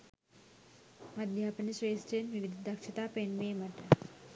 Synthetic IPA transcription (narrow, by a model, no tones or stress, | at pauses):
mɐd̪ʱjaːpɐniʃɾeːsʈeːnʋiʋid̪ʱd̪ɐkʃʰɐt̪aːpeːnʋeːmɐʈɐ